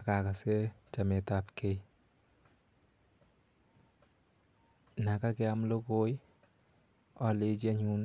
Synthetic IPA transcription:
a˨ka˨ka˨se˦t͡ʃa˨me˨ta˨˦pke˦j | na˨ka˦kɛ˦a˦mlo˦ko˦j | ɔ˨le˦t͡ʃe˦ɲu˦n

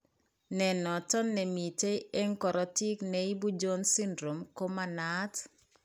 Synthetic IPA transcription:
nɛ˨nɔ˨tɔ˦nːɛ˨mi˨te˦e˦ŋkɔ˨ɾɔ˨ti˦knɛi˦bu˦d͡ʒo˦nsi˦ndɾo˨mko˦ma˨na˦t

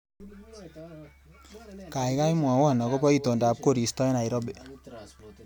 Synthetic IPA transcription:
ka˨jka˦jmwa˨wɔ˦˨nɔ˨kɔ˦pɔ˦i˦to˨nda˨p̚ko˦˨ɾi˨stɔ˦jna˨i˨ɾɔ˦be˨

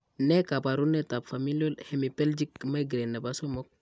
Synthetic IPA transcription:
nɛ˦ka˨ba˨ɾu˦ne˦ta˨bfa˨mi˦lo˦lhe˨mi˨pɛ˦ld͡ʒi˦kma˦ɡɾe˨nːe˨ba˦so˦mo˦k̚

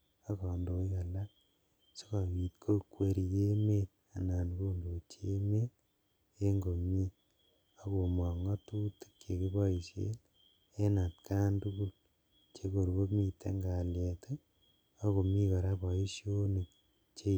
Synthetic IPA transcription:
a˦kɔ˨ndo˨i˦ka˨la˦ | so̥˦ka˨mi˨tkʰo˦kwe˨ɾi˨je˦me˦t | a˨na˨nko˦ndo˨t͡ʃe˦me˦t | e˦ŋɡo˨mi˦ | a˦ko˨mɔ˨ŋɔ˦tu˦ti̥˦kt͡ʃe˨ki˦bɔ˦i˨ʃḛ˦l | e˦na˨tka˦ntu˦ku˦l | t͡ʃe˦ko˨ɾko˦mi˨tḛ˦ŋɡa˨le˨te˦ | a˦ko˨mi˦ka˨ɾa˦bɔ˨i˦ʃjo˦ne˨k̚ | t͡ʃe˦

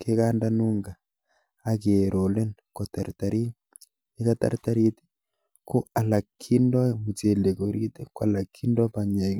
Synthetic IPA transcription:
ke˦ka˦nda˦nu˦ŋɡa˨ | a˦ke˨ɾʔo˨le˦n | ko˨ta˨ɾta˨ɾi˦ | e˦ka˦ta̰˨ɾta˦ɾi˦te̥˦ | ko˦a˨la˨kʰːi˦ndɔ˦mu˨t͡ʃe˨le˨ko˨ɾi˦te˦kwa˨la˨kʰːi˦ndɔ˦pa˨ɲe˨

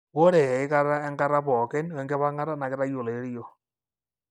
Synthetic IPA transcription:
wɔ˦ɾɛ˨ɛ˨ɪ˦ka˦ɾa˦ɛ˦ŋɡa˦ɾa˦pɔ˨kɪ˦n˦wɛ˨ŋɡɛ˦pa˦ŋa˦ɾa˦na˨kɪ˦ɾa˦jo˨le˨˦ɾjo˨

